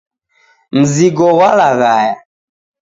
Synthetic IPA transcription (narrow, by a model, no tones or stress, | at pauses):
m̩ziɡɔwalaɣaja